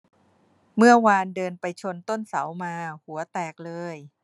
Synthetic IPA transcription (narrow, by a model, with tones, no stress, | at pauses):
mɯ˥˩ɐwaː˧ndɤː˧npa˧jt͡ɕʰo˧nt̪o˥˩nsa˩˦wmaː˧hu˩˦ɐt̪ɛː˨˩k̚lɤː˧j